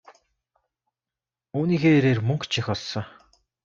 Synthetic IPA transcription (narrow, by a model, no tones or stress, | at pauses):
uːniːxeːɾeːrmɵŋkt͡ɕʰixɔɮsɞ̆